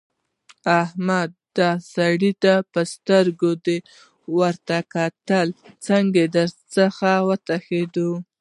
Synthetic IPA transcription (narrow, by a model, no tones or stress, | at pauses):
ahmad̪ːɑsaɽit̪apəst̪əɾɡod̪e | wəɾt̪akat̪əlt͡saŋɡed̪əɾt͡səxawət̪axed̪o